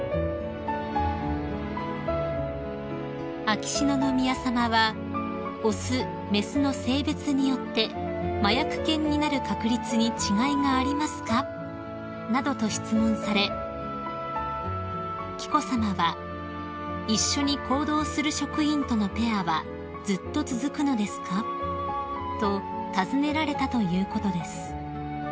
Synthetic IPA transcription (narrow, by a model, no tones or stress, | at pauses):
akʲi̥ɕino̞no̞mʲiasamaβa | o̞sɨ | me̞sɨno̞se̞ːbe̞t͡sɨɲ̟ijo̞t̪ːe̞majakɯ̟̥kẽ̞ɲ̟ːinaɾɯ̟kakɯ̟ɾʲit͡sɨɲ̟it͡ɕiɡaiŋaːɾʲimasɨ̥ka | nad̪o̞t̪o̞ɕi̥t͡sɨmõ̞ɰ̃saɾe̞ | kʲi̥ko̞samaβa | iɕːo̞ɲ̟ikʰo̞ːd̪o̞ːsɨɾɯ̟ɕo̞kɯ̟ĩnt̪o̞no̞pe̞aβa | d͡zɨt̪ːo̞t͡sɨzɨkɯ̟no̞d̪e̞sɨ̥ka | t̪o̞t̪azɨne̞ɾaɾe̞t̪at̪o̞jɯ̟ːko̞t̪o̞d̪e̞sɨ̥